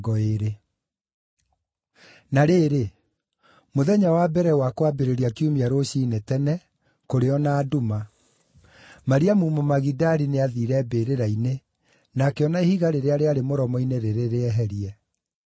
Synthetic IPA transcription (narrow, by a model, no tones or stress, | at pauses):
ɡɔeɾe | naɾeːɾe | moðɛɲawabɛɾɛwakwabeɾeɾiakiumiaɾoɕiːnetɛnɛ | koɾeɔnaːduma | maɾiamumɔmaɣidaɾineaðiɾɛbeɾeɾaine | nakeɔnaehiɣaɾeɾeaɾeaɾemoɾɔmɔineɾeɾeɾeɛɦɛɾiɛ